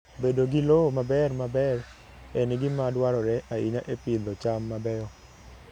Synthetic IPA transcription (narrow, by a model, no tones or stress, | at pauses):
bedoɡilomabɛrmabɛr | enɡɪmadwaɾɔɾɛʔaiɲaʔepilɔt͡ʃamːabɛjɔ